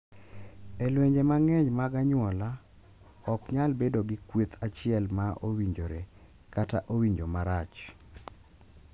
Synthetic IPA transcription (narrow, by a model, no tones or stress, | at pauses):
elweɲd͡ʒemaŋɛɲmaɡaɲwɔla | ɔkɲalbedoɡɪkwet̪ʰat͡ʃɪɛlmaʔowiɲd͡ʒoɾe | kataʔowiɲd͡ʒomaɾat͡ʃ